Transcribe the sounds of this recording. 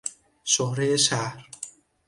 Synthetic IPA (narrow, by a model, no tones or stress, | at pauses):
ʃohɾejeʃæhɾ